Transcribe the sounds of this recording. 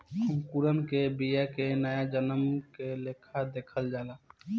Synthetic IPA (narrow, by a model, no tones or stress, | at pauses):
ɦəmkuɾənkebijakenəjad͡ʒənəmkelekʰad̪ekʰəld͡ʒalã